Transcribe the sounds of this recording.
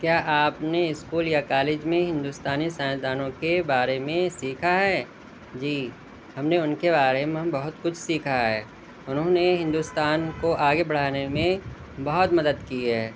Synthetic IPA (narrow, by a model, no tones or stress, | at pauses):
kjaːʔaːpneɪskuːljakaːleːd͡ʒmẽɦɪ̃nd̪uːst̪aːnisãːd̪aːnõkebaːɾemẽsiːkʰaɦɛː | d͡ʒiː | ɦɐmneʊnkebaːɾemẽbɐɦʊt̪kʊt͡ʃʰsiːkʰaɦɛ̰ː | ʊnɦõneɦɪ̃nd̪uːst̪aːnkoʔaːɡebɐɽ̤aːnemẽ | bɐɦʊt̪mɐd̪əd̪kiɦɛː